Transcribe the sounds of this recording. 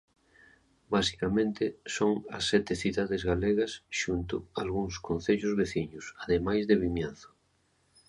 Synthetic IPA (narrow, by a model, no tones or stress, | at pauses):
basi̥kamẽnt̪ɪsoŋɐ̰sːɛt̪ɪθiðaðɪzɣaleɣɐsʃunt̪ʊ̰alɣuŋskon̟θeʎʊzβeθiɲʊsaðemajzðeβimjan̟θʊ̥